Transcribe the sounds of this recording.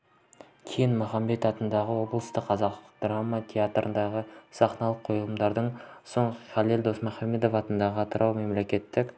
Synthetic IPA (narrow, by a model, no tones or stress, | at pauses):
kʲʰe̞jɪnmʊχɑmːe̞t̪ɑt̪ənd̪ɑʁəwo̞blˠəst̪əqʰːɑzɑqd̪̥ramːat̪ʲʰe̞at̪ɾʔə̰nd̪ɑʁəsɑqnɑlˠəqʰo̞jlˠəmd̪ɑɾd̪əɴso̞ɴχɑlˠeld̪o̞smʊχɑme̞d̪o̞fɑt̪ənd̪ɑʁəɑt̪əɾʔɑwme̞mle̞kʲe̞t̪ːɪk